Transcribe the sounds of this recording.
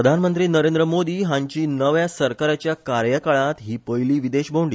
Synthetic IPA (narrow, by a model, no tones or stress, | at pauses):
əd̪ʱanmənt̪ɾiːnəɾẽnd̪ɾəmod̪iːɦãɲt͡ɕiːnəʋjasəɾkaɾat͡ɕjakaɾjəkəɭãt̪ɦiːpəjliːʋid̪eɕbʱoɳɖiː